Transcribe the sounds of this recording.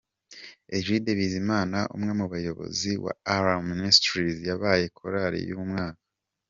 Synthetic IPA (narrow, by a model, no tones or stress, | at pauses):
eʒideβizimaːnaʔṵmŋe̞muβajo̞βo̞̰ziwa̰aɾamːinistɾizjaβaːje̞kʰoɾaɾḭjuːumŋaːkḁ